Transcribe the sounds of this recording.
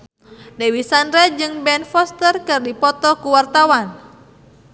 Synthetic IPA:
dɛwisanɾɛd͡ʒɨŋbɛnfɔst̪ərkɨrdipɔt̪ɔkuwart̪awan

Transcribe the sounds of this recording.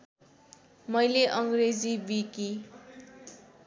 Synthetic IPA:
mʌjleʔʌŋɡred͡zibiki

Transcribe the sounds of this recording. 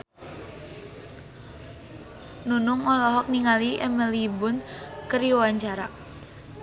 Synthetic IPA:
nunʊŋɔlɔɦɔk̚niŋaliʔɛmɛlibʊnkəɾiwaɲt͡ʃaɾa

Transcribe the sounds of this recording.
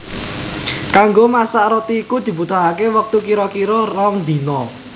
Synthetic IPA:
kaŋɡomasaʔɾot̪iːkud̪̥i̤put̪uɦakewək̚t̪ukiɾɔkiɾɔrɔŋd̪i̤nɔ

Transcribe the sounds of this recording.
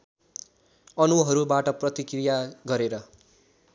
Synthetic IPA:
ʌnuɦʌɾubaʈʌprʌt̪ikrijaɡʌɾeɾʌ

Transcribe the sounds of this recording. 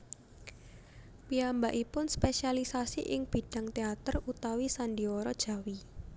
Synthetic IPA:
piambaʔipʊnspesialisasiʔɪŋb̥i̤ɖ̥a̤ŋt̪eat̪ərut̪awisanɖiɔɾɔd̥ʒ̥a̤wi

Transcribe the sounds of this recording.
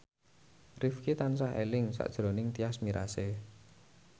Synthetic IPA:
rifkit̪ansaɦḛlɪŋsa̰ʔd̥ʒ̥ɾonɪŋt̪iasmiɾase

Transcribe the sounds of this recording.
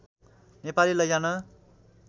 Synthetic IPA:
nepalilʌjanʌ

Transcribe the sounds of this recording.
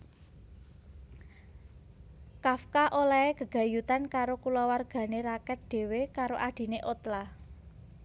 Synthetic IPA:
kafkaʔolaeɡ̥ə̤ɡ̥ä̤jut̪ankaɾokulɔwarɡ̥ä̤neɾakɛt̪̚ɖ̪̥e̤wekaɾoʔaɖ̪̥i̤neʔot̪la

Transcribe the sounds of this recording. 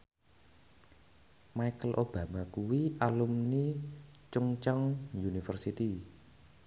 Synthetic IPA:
maikəlʔob̥ä̤makuwiʔalumnit͡ʃuŋt͡ʃɔŋjunifərsit̪i

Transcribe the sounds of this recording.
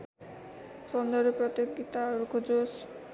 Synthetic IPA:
sɔnd̪ɔɾepɾɔt̪oɡːit̪aɾukʰɔd͡ʒos

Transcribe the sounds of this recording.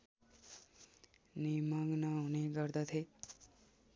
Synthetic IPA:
nimʌɡnʌɦuneɡʌɾd̪ʌt̪ʰe

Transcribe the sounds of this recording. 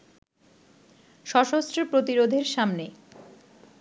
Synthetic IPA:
ʃɔʃost̪ɾopɾot̪iɾod̪ʱeɾʃamne

